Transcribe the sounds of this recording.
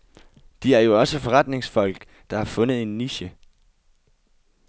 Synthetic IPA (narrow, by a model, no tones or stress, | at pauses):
d̥iæɐjo̝ɒ̽səfɒ̽ʁɑd̥ne̝ŋsfɒ̽l̰ɡ̥ | d̥ɑ̈hɑ̈fɔ̽nð̞̩ˠe̝nːiɕə